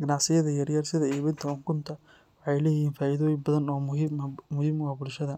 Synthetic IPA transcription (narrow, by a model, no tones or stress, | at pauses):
ɡɐnɑʕsɪjɐðɐjɐrjɐrsɪðɐiːβɪnt̪ʰɐʊŋkʰʊnt̪ʰɐ | wɑħɑjlɛːjjiːnfaːɪðɔːjɪmbɐðɐnɔːmmmːʊhiːmwɑːbʊlʃɐðɐ